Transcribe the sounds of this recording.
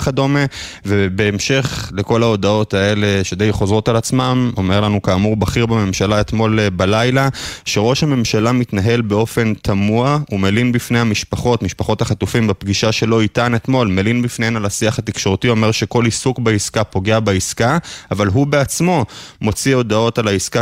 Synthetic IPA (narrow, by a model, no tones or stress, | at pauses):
χad̪o̞me | vebe̞ːmʃe̞χle̞ko̞lao̞d̪ao̞t̪aele̞ʃe̞d̪ejχozʁo̞talat͡smamo̞me̞ʁlanukaːmuʁbaχiʁbeme̞mʃalaet̪mo̞lbalajlaʃeʁo̞ʃhame̞mʃalamit̪naɦe̞lbe̞o̞fe̞nt̪ʰamuaumelinbifne̞jhamiʃpaχo̞tmiʃpaχo̞t̪aχat̪ufimbapɡiʃaʃe̞lo̞it̪ane̞t̪mo̞lmelinbifne̞henalasiaχat̪ikʃo̞ʁt̪io̞me̞ʁʃeko̞lisukbaiskapo̞ɡe̞abaiskaavalɦube̞at͡smo̞mo̞t͡sio̞d̪ao̞talaiska